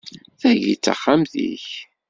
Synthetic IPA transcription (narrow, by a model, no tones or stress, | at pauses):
θæʝḭt͡sːa̰χːamθḭç